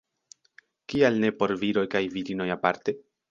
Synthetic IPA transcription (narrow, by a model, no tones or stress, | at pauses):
kialne̞po̞ɾviɾo̞jkajviɾino̞japaɾte̞